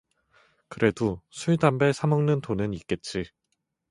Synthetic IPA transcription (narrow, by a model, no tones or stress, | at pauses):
kɯɾe̞dosʰuɭdambe̞sʰamʌŋnɯntʰonɯnik͈̚e̞t̚t͡ɕ͈i